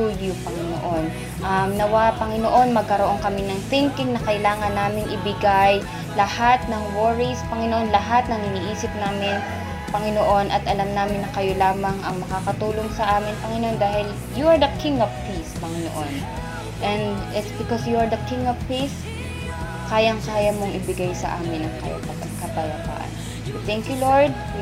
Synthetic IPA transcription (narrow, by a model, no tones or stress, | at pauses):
ujupɐŋɪno̰ʔon | ʔɐmnɐwapɐŋɪnoʔo̞nmɐɡ̚kɐɾoʔo̞ŋkɐmɪnɐŋθɪ̃ŋkɪŋnɐkɐʔɪlaːŋɐnːaːmɪŋʔɪbɪɡaj | lɐhat̪̚nɐŋwɔɹispɐŋɪnoʔo̞nlɐɦat̪̚nɐŋɪniːʔiːsɪp̚naːmɪn | pɐŋɪnoʔo̞nʔɐt̪ʔɐlamnaːmɪnːɐkɐjo̞laːmɐŋʔɐŋmɐkaːkɐt̪uːlo̞ŋsɐʔaːmɪnpɐŋɪnoʔo̞nd̪aːhɪl | juɐɹd̪ɐkʰɪ̃ŋɐvpispɐŋɪno̰ʔon | ʔɛnd̪ɛbɪkɔsjuɐɹd̪ɐkɪ̃ŋɐvpis | kaːjɐŋkaːjɐmoŋɪbɪɡajsɐ̰ʔa̰ːmɪnɐŋkɐ̰jɐ̰pɐt̪ɐkɐpɐjɐba̰ːʔɐ̰n | t̪ɛŋkjuloɹd̪̚